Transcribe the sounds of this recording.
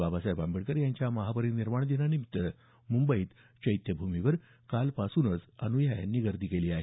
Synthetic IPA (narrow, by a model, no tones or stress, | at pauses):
ʋabasajbambiɽkəɾjaɲt͡ɕjaməɦapəɾiːniɾmaɳd̪enanimit̪ːə | mumbəiːt̪ | t͡ɕəjt̪jəbʱumiʋəɾ | kalpasuːnət͡sənujaja̰nːiːɡəɾd̪ʱiːkeliːaɦe